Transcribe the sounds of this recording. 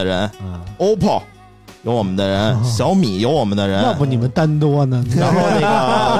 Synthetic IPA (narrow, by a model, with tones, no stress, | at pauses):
ə˧ɻə˧˥no˥ʊpʰɔ˨˩ | jo˧˥ʊwɔ˨˩mə˦nd̪ə˧ɻə˧˥nɕjɑ˧˥ʊmi˨˩jo˧˥ʊwɔ˨˩mə˦nd̪ə˧ɻə˥˧˥na˥˩bə˩ni˨˩mə˦nt̪a˥nt̪wɔ˥nə˨˧˥ɔ˥˧˩